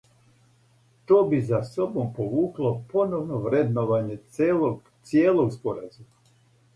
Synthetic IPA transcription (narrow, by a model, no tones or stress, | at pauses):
t̪o̞ːbizasobompo̞ʋuːklˠo̞po̞noʋnoʋɾed̪noʋaɲe̞eloɡ | t̪sjeːlˠoɡspo̞ɾazuma